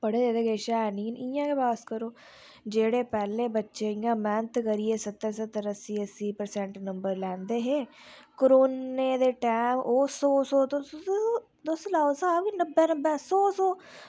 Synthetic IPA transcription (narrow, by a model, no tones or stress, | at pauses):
pəɽeːd͡ʒeːd̪eːɡeːʃaːɛːniːnɪjãːkeːbaːskəɾoː | d͡ʒeːɽeːpɛːleːbətːʃeːijãːmɛ̃ːnt̪ʰkəɾieːsət̪ːəɾsət̪ːəɾəsiːəsiːpəɾsɛ̃ɳʈnəmbəɾlɛ̃ːnd̪eːɦeːkoɾoːneːd̪eːʈɛːmoːsɔːsoːt̪õ | d̪oslaːosaːbkinəbːeːnəbeːsɔːsɔː